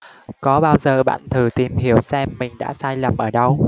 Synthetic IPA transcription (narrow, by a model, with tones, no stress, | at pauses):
kɔ˨˦ɓaː˧wzəː˨˩ɓa̰ː˧˨nt̪ʰɨ˨˩t̪i˨˩mɦi˧˩əwsɛ˧mːï˨˩ŋ̟ɗa̰ː˧˥saː˧jlə˨˩mʔəː˧˩ɗə˧w